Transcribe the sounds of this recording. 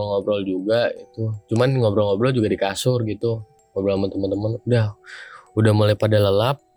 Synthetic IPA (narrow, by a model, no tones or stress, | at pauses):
lŋɔbɾɔld͡ʒuɡaɡit̪ut͡ʃumanŋɔbɾɔlŋɔbɾɔld͡ʒuɡadikasʊrɡit̪u | ŋɔbɾɔlt̪əmənt̪əmənt̪əmənudahudahmulajpadaləlap̚